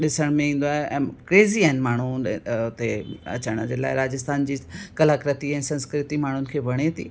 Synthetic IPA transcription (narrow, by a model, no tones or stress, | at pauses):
ɗɪsəɽ̃mẽĩːn̆d̪oaːɦeɛ̰̃ːkɾeːziaːɦɪnɪ̆maːɳ̤̃uʊt̪eɐ̰t͡ɕaːɽ̃əd͡ʑeːla̰ːɪɾaːd͡ʑɪst̪ʰaːnd͡ʑiːkɐlaːkɾət̪iɛ̃ːsɐ̃nskɾɪt̪imaːɳ̤ʊnɪ̆kʰeːʋɐɽ̃et̪ʰḭː